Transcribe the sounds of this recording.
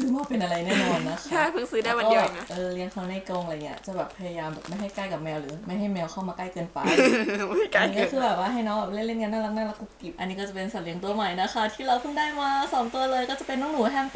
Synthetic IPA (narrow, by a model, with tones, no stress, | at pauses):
sɯː˦mɔː˥˩pe˧nʔa˧ɾa˧jnɛː˥˩nɔː˧mna˦˥kʰt͡ɕʰa˥˩pʰɯ˥˩ŋsɯː˦daː˥˩jwa˧ɔː˧i˥˩˨ʔɤː˧li˧əŋkʰa˧˦naː˥˩jko˧ŋʔŋi˦ɐt͡ɕa˨˩bɛː˨˩pʰːa˧ja˧jaː˧mbɛː˨˩p̚ma˥˩jɦa˥˩jkaː˥˩jka˨˩p̚mɛː˧wɾɯː˩˦ma˥˩jɦa˥˩jmɛː˧wkʰa˥˩wmaː˧kaː˥˩jkɤː˧npa̰˧ma˥˩ka˧˥˩iː˦˧˥kːkɯː˧bɛː˨˩p̚waː˥˩ɦa˥˩jnɔː˦˥ŋba˨˩le˥˩nle˥˩nŋa˧nːaː˥˩la˧˥naː˥˩la˦˥kːu˧˩ki˨˩p̚ʔa˧nːiː˦˥kɔː˥˩t͡ɕa˨˩pe˧nsa˨˩˦li˧əŋt̪u˧ɐma˨˩jna˦˥kʰa˦˥t̪ʰiː˥˩ɾa˧wpʰɯ˥˩ŋdaː˥˩jmaː˧sɔː˨˩˦mt̪u˧ɐlɤː˧jkɔː˥˩t͡ɕa˨˩pe˧nːɔː˥˩ŋnuː˨˩˦ɦɛː˥˩m